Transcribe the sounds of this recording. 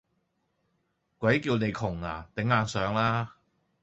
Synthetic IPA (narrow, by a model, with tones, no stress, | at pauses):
kʷɐ˨˥jkiː˧wne˨˧jkʰʊ˨˩ŋla̰ː˨˩t̪ɪ˨˥ŋːaː˨˧nsœː˨˧ŋlaː˥